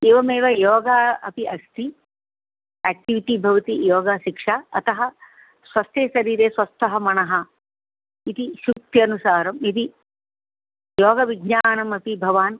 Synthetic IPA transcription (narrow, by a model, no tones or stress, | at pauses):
eːʋɐmeːʋɐjoːɡaɐ̰piʔɐst̪ʰi | æːk̚ʈiʋiʈibʱɐʋɐt̪ijoːɡaʃikʂaːɐt̪ɐɦɐ̆ | sʋɐst̪eːʃɐɾiːɾeːsʋɐst̪ʰːɐɦɐmɐnɐɦɐ̆ | it̪iʃuk̚t̪jɐnusaːɾɐmit̪̬i | joːɡɐʋiɡɲaːnɐmɐpibʱɐʋaːn